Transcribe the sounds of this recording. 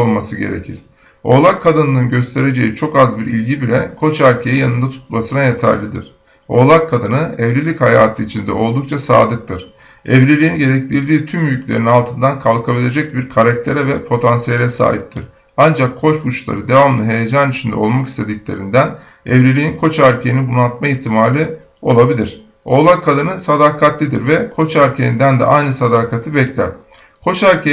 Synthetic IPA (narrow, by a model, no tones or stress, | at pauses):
olˠmasɯɟe̞̰ɾe̞̰cʰiɾ̥ | o̞̰ːlˠakʰːad̪ɯnɯnɯnɟø̞st̪ʰe̞ɾe̞d͡ʒe̞jit͡ʃʰo̞kazbiɾḭlʲɟibilʲɛkʰo̞t͡ʃæɾcʰejijanɯnd̪at̪ʰu̥t̪masɯnajet̪ʰæ̰ɾlʲid̪ḭɾ̥ | o̞lˠakʰːad̪ɯnɯɛvɾʲilʲichaja̰ːt̪ʰɯit͡ʃʰind̪ɛ̰o̞lˠd̪uk̚t͡ʃʰasa̰ːd̪ɯk̚t̪ʰɯɾ̥ | ɛvɾilʲiːinɟe̞ɾɛclʲiɾd̪iːt̪ʰymjjycʰʲlʲe̞ɾinalˠt̪ʰɯnd̪ankʰalˠkʰabilʲe̞d͡ʒɛc̚biɾkʰaɾak̚t̪ʰe̞ɾɛvɛpʰo̞t̪ʰansijeɾʲɛsa̰ːhip̚t̪ʰiɾ̥ | and͡ʒakʰːo̞t͡ʃbut͡ʃlˠa̰ɾɯd̪e̞vamlˠɯɦe̞jed͡ʒanyt͡ʃʰind̪ɛ̰o̞lˠmaki̥st̪ʰe̞d̪iclʲe̞ɾind̪æn | ɛvɾelʲiːinkʰo̞t͡ʃæɾcʰejinibunat̪̚maiçt̪ʰimaːlʲi | o̞lˠabilʲiɾ̥ | o̞ːlˠakʰːad̪ɯnɯsad̪aːkʰat̪lʲid̪iɾvɛkʰo̞t͡ʃæɾcʰejind̪ænd̪ɛ̰ʔajnɯsad̪aːkʰat̪ʰɯbɛclʲæ̰ɾ̥ | kʰo̞t͡ʃæɾcʰe